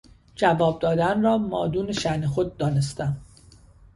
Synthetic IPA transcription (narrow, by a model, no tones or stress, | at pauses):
d͡ʒævɒːb̚d̪ɒːd̪ænrɒːmɒːd̪uːneʃænexo̞d̪̚ːɒːne̞st̪æm